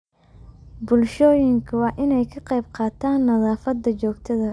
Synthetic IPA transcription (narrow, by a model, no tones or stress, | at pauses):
bʊlʃɔːjɪŋkʰɐwɑːʔɪnɛjkʰɐqɑjb̚qɑːt̪ʰaːnːɐðɑːfɐd̪ːɐt͡ʃɔːɡt̪ʰɐðɐ